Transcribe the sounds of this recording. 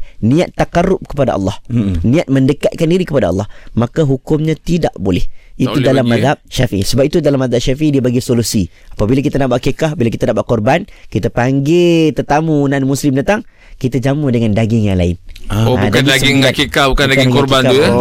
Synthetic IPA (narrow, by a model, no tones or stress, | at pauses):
nĩat̪ːakaɾʊp̚kə̥pada̰ʔɑ̰lːɑhnĩat̪̚məndəkat̪̚kandiɾikəpadaɑ̰lːɑhmakaɦukʊmɲãt̪idaʔbolɛ̰hit̪udalamːaðɦap̚ʃafiʔḭsəbap̚it̪udalamːaðap̚ʃafiʔidiəbaɡisolusi | apabilakit̪anaʔbaʔakikahbilakit̪anaʔbaʔkɔrbankit̪apaŋɡɪt̪ət̪amunanmuslɪmdat̪aŋ | kit̪ad͡ʒamʊdəŋandaɡɪŋjaŋla̰ɪ̰nodkaanasɡiŋakikahbukandaɡikɔrbankt̪ua